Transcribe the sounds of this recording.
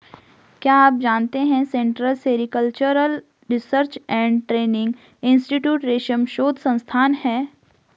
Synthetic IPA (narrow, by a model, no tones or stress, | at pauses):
kjaːaːp̚d͡ʒaːnt̪eɦɛ̃sẽːɳʈɾəlseːɾikəlt͡ʃəɾəl | ɾɪsəɾt͡ʃɛ̃ːɳɖʈɾeːnɪ̃ŋɡ | ɪ̃nsʈiʈjuːʈɾeːʃəmʃoːd̪ʱsɐ̃nst̪ʰaːnhɛː